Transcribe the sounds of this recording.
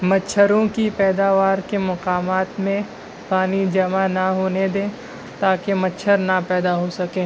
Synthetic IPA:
mɐtːʃʰəɾõkipɛːd̪aːʋaːɾkemɐqaːmaːt̪mẽ | paːnid͡ʒɐmanɐɦoːned̪ẽː | t̪aːkemɐtːʃʰəɾnɐpɛːd̪aɦosɐkẽː

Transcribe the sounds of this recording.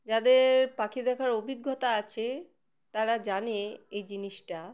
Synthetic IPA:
d͡ʑad̪eɾpakʰid̪ɛkʰaɾobʱiɡːot̪aat͡ɕʰe | t̪aɾad͡ʑaneejd͡ʑiniʃʈa

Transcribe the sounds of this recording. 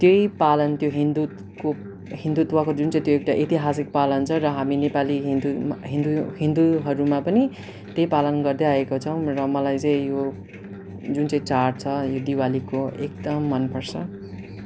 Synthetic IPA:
t̪jeipalʌnt̪joɦind̪u | ko | ɦĩnd̪ut̪wakod͡zunt͡sãĩt̪joekʈaʔit̪iɦasik̚palʌnt͡sʰʌɾʌɦaminepaliɦind̪uɦĩnd̪uɦĩnd̪uɦʌɾumapʌni | t̪jejpalʌnɡʌrd̪eaekot͡sʰʌw̃rʌmʌlajt͡sʌ̃ĩjo | d͡zunt͡saĩt͡sarʈ̚t͡sʰʌjod̪iwalikoek̚d̪ʌmːʌnpʌrt͡sʰʌ

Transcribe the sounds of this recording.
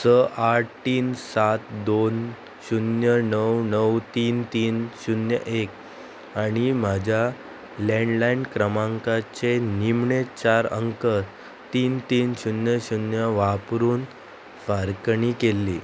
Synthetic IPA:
səʔaʈ̚t̪iːnsat̪d̪on | ɕunjənəwnəwt̪iːnt̪iːnɕunjə̰ʔek | aɽ̃im̤ad͡ʑʱja | lɛ̃ɳɖlaiɳɖkɾəmãŋkat͡senimɳet͡ɕaɾə̰ŋkəɾ | t̪iːnt̪iːnɕunjəɕunjəʋapɾuːn | faɾkɳikelːiː

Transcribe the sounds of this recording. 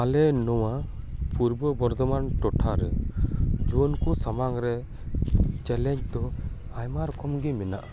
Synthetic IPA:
alɛnɔwa | puɾbɔbɔɾd̪ɔmanʈɔʈʰaɾɛ | d͡ʒuɔnkusamaŋɾɛ | t͡ʃɛlɛɲt͡ʃd̪ɔ | ajmaɾɔkɔmɡimɛna̰ʔa

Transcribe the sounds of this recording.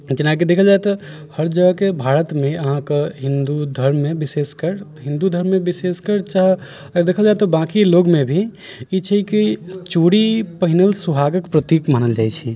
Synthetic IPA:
d͡ʒɪnaːkid̪eːkʰəld͡ʒaːet̪ɔ | həɾd͡ʒəɡkebʱaːɾət̪mẽəɦãkeɦɪ̃nd̪ud̪ʱəɾmːẽbɪseskəɾɦɪ̃nd̪ud̪ʱəɾmːẽbɪseskəɾt͡ʃaɦ | ɾd̪eːkʰəld͡ʒaːet̪ɔbãkiloːɡmẽbʱi | it͡ʃʰikit͡ʃuɽipəɦɪnəlsubʱaːɡəkpɾət̪iːkmaːnəld͡ʒaːjt͡ʃʰi

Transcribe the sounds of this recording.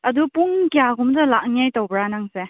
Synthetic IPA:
ɐdupuŋkijaɡumdɐlak̚ŋjajtɐwbɾanaŋse

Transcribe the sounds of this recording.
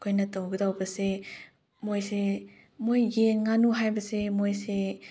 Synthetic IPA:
kʰojnɐtɐwɡɯdawbɐse | mojse | mojːenŋanuɦajbɐsemojse

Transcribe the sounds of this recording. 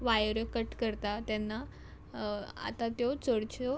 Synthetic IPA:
ʋajəɾəkəʈkəɾt̪at̪janːa | a̰t̪at̪jot͡səɽt͡ɕo

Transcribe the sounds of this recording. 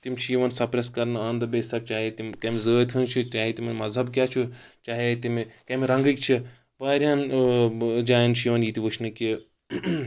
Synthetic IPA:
t̪imʲt͡ʃʰiiʋɐnsɐpɾeskɐɾnɨaːnd̪ɐbeːsɐɾ̚t͡ʃaːɦet̪imkɐmʲzəːt̪ʲʰint͡ʃʰit͡ʃʲaːɦit̪imɐnmɐzɦɐbkʲjaːt͡ʃʰut͡ʃaːɦet̪imkɐmiɾɐ̃ŋɡik̚t͡ʃʰi | ʋaːɾʲaːn | d͡ʒaːjɐnt͡ʃʰiiʋɐnjit̪iʋɨt͡ʃʰnɨki

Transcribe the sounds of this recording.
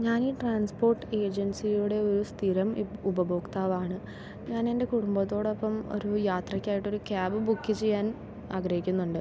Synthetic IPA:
ɲaːniːʈraːnspo̞ːrʈːɨe̞ːd͡ʑɐnsijuɽe̞o̞ɾust̪ʰiɾɐmubɐbo̞ːkt̪aːʋaːɳɨ | ɲaːne̞nde̞kuɽumbɐt̪ːo̞ːɽo̞pːɐmo̞̰ɾujaːt̪rɐkʲːaːjiʈːo̞ɾukʲaːbɨbukːit͡ɕejːaːn | aːɡɾɐhikʲːunːuɳɖɨ

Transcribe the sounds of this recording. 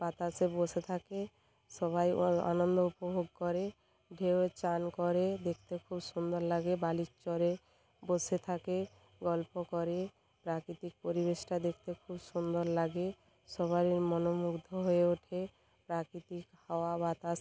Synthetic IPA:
b̥at̪aseboset̪ʰake | ʃɔβaja̰nond̪oupobʱoɡ̚kɔɾe | ɖʱeoet͡ɕankɔɾed̪ek̚ʰt̪ekʰubsund̪oɾlaɡebalit͡ʃɔɾe | boset̪ʰake | ɡɔlpokɔɾe | pɾakɾit̪ik̚poɾibeʃʈad̪ek̚ʰt̪ekʰubsund̪oɾlaɡe | ʃɔβaɾiɾmɔnomuɡd̪ʱoɦoeuʈʰe | pɾakɾit̪ikhaoabat̪as

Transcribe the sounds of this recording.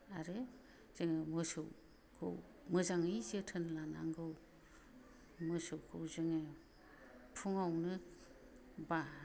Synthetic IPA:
aɾe | z̥eŋɯmɯsɯw | kʰɯ̰w | mɯzaŋɯjzɯtʰɯnlana̰ŋɡɯw | mɯsɯwkʰɯwzɯŋe | pʰuŋawnɯ | ba

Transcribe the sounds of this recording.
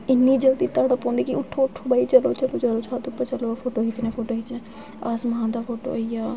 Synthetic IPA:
ɪnːiːd͡ʒəld̪iːt̪aɽəpõːnd̪iːkiʊʈʰːoʊʈʰːobaːiːt͡ʃəloːt͡ʃəloːt͡ʃəloːt͡ʃʰaːt̪ʊpːət͡ʃəloːfʰoːʈoːɦit͡ʃnɛ̃ːpʰoːʈoːɦit͡ʃnɛ̃ː | aːsmɐɦãːd̪aːfʰoːʈo̰ːəijaː

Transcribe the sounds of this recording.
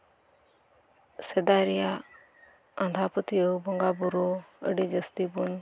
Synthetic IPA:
sed̪aɾija | and̪ʱapət̪iəwbɔŋɡabuɾoə̰ɖid͡ʒəst̪ibun

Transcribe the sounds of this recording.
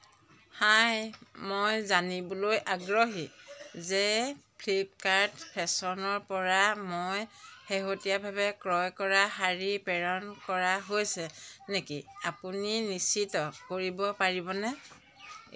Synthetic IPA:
hajmojzanibɔlojʔaɡɹoɦizɛpʰlip̚kaɹtpʰɛsɔnɔɹpɔɹamojheɦotijabʱabɛkɹɔjkɔɹaɦaɹipɛɹɔnkɔɹaɦojsɛnekiapuninisitɔkoɹibɔpaɹibɔnɛ

